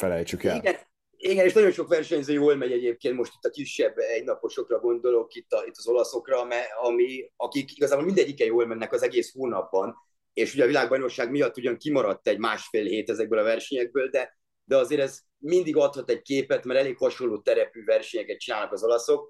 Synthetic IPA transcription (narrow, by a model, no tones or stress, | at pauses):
fɛlɛjt͡ʃykɛliɡɛn | iɡɛneːʃnɒɟo̞nʃo̞kʋɛrʃɛɲzøːjoːlmɛɲɛɟeːp̚keːnt̪mo̞ʃt̪i̥t̪ːɒkiʃːɛbːɛɟnɒpoʃo̞krɒɡo̞nd̪o̞lo̞kit̪ːɒit̪ːɒzo̞lɒso̞krɒmɛɒmiɒkikiɡɒzaːbolmind̪ɛɟːikɛjoːlmɛnːɛkɒzɛɡeːshoːnɒpːɒn | eːʃuɟɛːvilaːɡ̚bɒjno̞kʃːaːɡmijɒt̪ːuɟɒŋkimɒɾɒt̪ːɛɟmaːʃfeːlɦeːt̪ɛzɛɡ̚bøːlɒvɛrʃɛɲɛɡ̚bøːld̪ɛ | d̪ɛɒzeːɾɛz | mind̪iɡɒt̪hɒt̪ɛɟ̚keːpɛt̪mɛɾɛleːkhɒʃo̞lːoːt̪ːɛɾɛpyːvɛrʃɛɲɛkɛt̪̚t͡ʃinaːlnɒkɒzo̞lɒso̞k̚